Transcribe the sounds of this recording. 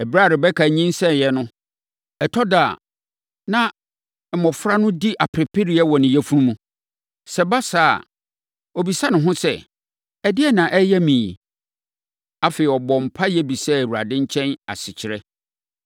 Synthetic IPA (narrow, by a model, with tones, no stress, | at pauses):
ɛ˨bɾa˦˨ɾɪ˨bɛ˦kʰa˨ɲĩ˦nsɛ˦˨jɛ˦nʊ̃˦ | ɛ˨tʰɔ˦da˨ | nã˦˨ | mɔ̃˨fɾa˦nʊ̃˦di˦ʔa˨pʰɾɪ˨pʰɪ˦ɾi˦a˦wɔ˨nɪ̃˨jɛ˦fu˦nũ˦nũ˦ | sɛ˦ba˦sa̰ː˦˨ | ɔ˨bi˨sa˦nʊ̃˨ɦʊ̃˦sɛ˦˨ | ɛ˨dɪ˦ɛ˦nã˨ʔɛ˦jɛ˦mĩː˨ | a˨fe˨ɪ˨ɔ˨bɔ̃˨m̩˨pʰa˦jɛ˦bi˨sɛ˦æ˨wu˨ɾa˨dɪ̃˦ɲ˦t͡ɕʰɛ̃˦na̰˨sɪ˨t͡ɕʰɪ˨ɾɛ˦